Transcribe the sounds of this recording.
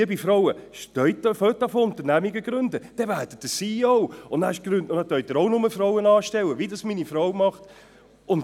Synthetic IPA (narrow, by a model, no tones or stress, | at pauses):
bifɾɔwəʃtœʏtføt̚dɑfoʊnt̪əɾnæmiɡəɡɾʏndəd̥ɛvæːdət̚d̥əsiɔʊʊnnaɪʃɡ̥ɾʉndʊnɑt̪œʏt̪ɪɾoʊnʊməfɾɔʊənɑːʃtɛwəvidɑsminifɾɔwmɑχt | ʊn